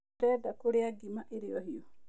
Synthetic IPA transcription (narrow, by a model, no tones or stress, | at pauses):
tɛdakoɾeaɡimaʔeɾeɔhiɔ